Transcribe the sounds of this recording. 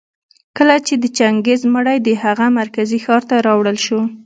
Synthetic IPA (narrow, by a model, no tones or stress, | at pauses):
kəlat͡ʃed̪ət͡ʃaŋɡezməɽajd̪əhaɣamaɾkazixɑɾt̪aɾɑwɽəlʃo